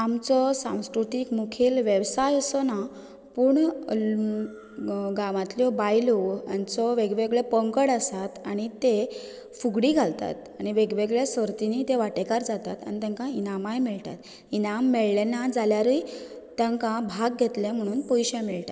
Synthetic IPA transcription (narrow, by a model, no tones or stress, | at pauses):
amt͡sɔsã̰w̃skɾut̪ikmukʰiːlʋjəʋsajəsɔna | puɳ | ɡamãt̪ljɔbajlɔja̰nt͡sɔʋeɡʋeɡɭɛpəŋkəɽasat̪aɽ̃it̪e | fuɡɽiɡʱalt̪a̰t̪aɽ̃iʋeɡʋeɡɭesəɾt̪init̪eʋaʈekaɾd͡zat̪at̪a̰ñit̪ɛ̃ŋkãinamajmiɭt̪a̰t̪ | inamːɛɭlenad͡zaljaɾəj | t̪ãŋkãbʱaɡ̚ɡʱet̪lẽm̤əɽ̃uːnpɔjɕẽmɛɭta